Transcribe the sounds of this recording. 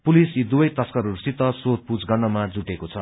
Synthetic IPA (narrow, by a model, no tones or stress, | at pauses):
pulisid̪ubʌjt̪ʌskʌɾuɾusit̪ʌsot̪̚pud͡zɡʌrnʌmad͡zuʈekot͡sʰʌ